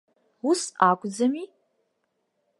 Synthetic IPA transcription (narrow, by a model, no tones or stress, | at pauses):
usakʷʼd͡zɐmi